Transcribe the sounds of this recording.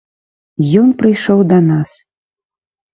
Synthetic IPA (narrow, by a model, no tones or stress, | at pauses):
jɔnpɾɨjʂɔwd̪ɐnas